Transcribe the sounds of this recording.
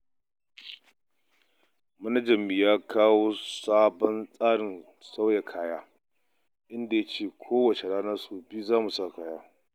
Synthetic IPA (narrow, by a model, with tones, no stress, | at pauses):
mɐ˦nɐ˦d͡ʒɐ˨mːi˨jaː˦kʰaː˦woː˦saː˦bɔ˦nsʼaː˦ɽɪ˨n | sa˦wja˨kʰaː˦jaː˦ | ʔɪ˦nda˨ja˦t͡ʃeː˦˨kʷʰoː˦wɐ˨t͡ʃe˨ɽaː˦nɐ˦rsoː˨biː˦zaː˦mu˨saː˦˨kaː˦jaː˦